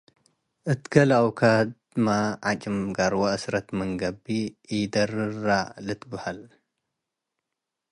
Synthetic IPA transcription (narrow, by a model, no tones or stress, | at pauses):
ʔɨt̪ɡɐlawkʰad̪ | maʕat͡ʃʼɨmɡaɾwaʔɨsɾɐt̪mɨŋɡɐbijd̪ɐɾɨɾalɨt̪ʰbɐhal